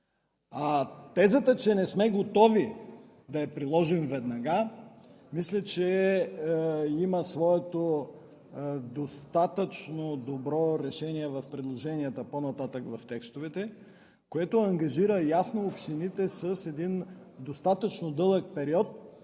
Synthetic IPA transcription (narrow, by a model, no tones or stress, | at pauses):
at̪ɛzət̪ət͡ʃɛnɛsmɛɡot̪ɔvi | d̪ɐɛpɾilˠɔʒɛmvɛd̪nɐɡa | mislʲɐt͡ʃɛ | imɐsvɔɛt̪o | d̪ost̪at̪ət͡ʃnod̪obɾɔɾɛʃɛniɛvɐfpɾɛd̪lˠoʒɛniɐt̪əponɐt̪at̪əkvɐft̪ɛkst̪ovɛt̪ɛ | koɛt̪oɐŋɡɐʒiɾəjasnoːpʃt̪init̪ɛsɐsɛd̪in | d̪ost̪at̪ət͡ʃnod̪ɤlˠək̚pɛɾiɔt̪̚